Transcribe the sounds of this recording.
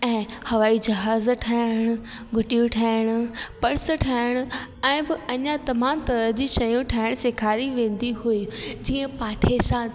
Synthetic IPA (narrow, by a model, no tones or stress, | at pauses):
ɛ̃ːhɐʋaːid͡ʑɐɦaːzʈʰaːɪɽ̃ʊ̆ | ɡʱʊʈijũʈʰaːɪɽ̃ʊ̆pɐɽsʈʰaːɪɽ̃ʊ̆ɛ̃ːbɪɐɲãt̪ɐmãːmt̪ɐɾəɦd͡ʑiːʃɐjũʈʰaːɪɽ̃ʊseːkʰaːɾiʋẽːn̆d̪iɦuid͡ʑiːə̃paːʈʰesã